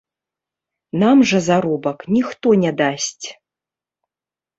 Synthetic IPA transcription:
namʐɐzaɾɔbɐknʲixt̪ɔnʲɛd̪asʲt͡sʲ

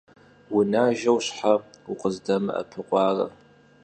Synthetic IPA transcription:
wʊnaːʒɐwɕħaʊqʼəzdɐmɨɐ̰pʰɨqʷʼɑːrɐ̰

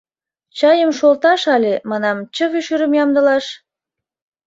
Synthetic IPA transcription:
t͡ɕɑjəmʃolt̪ɑʃɑlʲemɑnɑmt͡ɕə̆βyʃyɾə̆mjɑmd̪ə̆lɑʃ

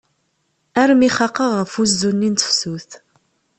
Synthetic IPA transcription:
æɾmiχɑqəʁːəfuzːunːint̪ə̥fsuθ

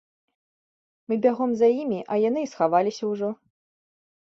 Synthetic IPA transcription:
mɨbʲaɣɔmzajimʲiʔɐjan̪ɨsxavalʲisʲɐwʐɔ

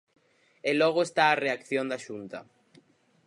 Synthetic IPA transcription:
elɔɣʊest̪aːreakθjõnd̪aʃunt̪ɐ

